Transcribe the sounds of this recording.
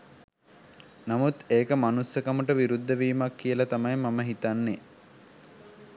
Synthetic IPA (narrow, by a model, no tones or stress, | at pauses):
namut̪eːkəmanusːəkaməʈəʋiɾud̪ːəʋiːmakːijəlat̪amajmaməɦit̪anːe